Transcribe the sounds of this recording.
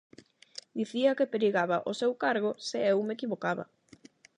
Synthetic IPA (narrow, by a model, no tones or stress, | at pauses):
d̪iθiɐkepeɾiɣaβaʔosewkaɾɣ̞oseewmekiβokaβa̰